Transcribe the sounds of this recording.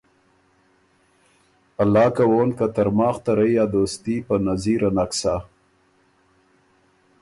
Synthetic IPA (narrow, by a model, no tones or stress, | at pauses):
alːɑːkawoːnkat̪aɾmɑːxt̪aɾəjjɑd̪oːst̪ipənaziɾanaksa